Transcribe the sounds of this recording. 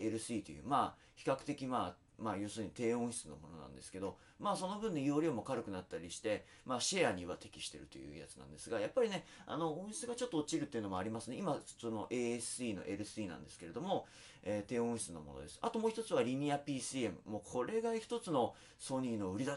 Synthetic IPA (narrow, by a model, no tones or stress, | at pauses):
e̞ɾɯ̟sɨiːt̪o̞̰jɯ̟̰ːma | çi̥kakɯ̟̥t̪e̞kʲimaː | maːjo̞ːsɨːɲ̟it̪e̞ːõ̞ɰ̃ɕi̥t͡sɨno̞̰mo̞no̞̰nã̰nd̪e̞sɨ̥ke̞d̪o̞ | maːso̞no̞bɯ̟̃nːeijoɾʲiomo̞kaɾɯ̟kɯ̟nat̪ːaɾʲiɕi̥t̪e̞ | maːɕeaɲ̟iβa̰t̪e̞kʲi̥ɕi̥t̪e̞ɾɯ̟t̪o̞jɯ̟̰ːja̰t͡sɨ̥nã̰nd̪e̞sɨɡajapːaɾʲine̞a̰no̞õ̞ɰ̃ɕi̥t͡sɨɡat͡ɕo̞t̪ːoːt͡ɕiɾɯ̟t̪ːeiɯ̟no̞moaɾʲimasɨneimasono̞ʔe̞ːesɨiːno̞̰ʔe̞ɾɯ̟sɨiːnã̰nd̪e̞sɨ̥ke̞ɾe̞d̪o̞mo̞ | eːt̪e̞ːõɕi̥t͡sɨno̞̰mo̞no̰d̪e̞sɨ̥at̪omoːçi̥t̪ot͡sɨβaɾʲiɲ̟iapʲiːsɨe̞mɯ̟mo̞kʰo̞ɾe̞ɡaçi̥t̪o̞t͡sɨno | so̞ɲ̟iːno̞ɯ̟ɾʲid̪a